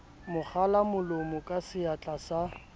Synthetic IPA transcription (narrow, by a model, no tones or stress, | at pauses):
mʊk͡xʰalamʊlomʊkʼasɪat͡ɬʼasa